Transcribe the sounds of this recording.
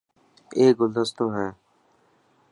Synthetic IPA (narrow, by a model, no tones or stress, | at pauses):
eːɡʊld̪əst̪oːɦɛː